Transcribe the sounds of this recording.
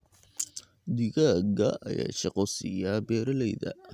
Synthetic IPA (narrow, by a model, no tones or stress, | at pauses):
d̪ɪɣaɡɐɐ̰ja̰ːʃɐqɔsɪjabɛːɾɐlɛjðɐ̰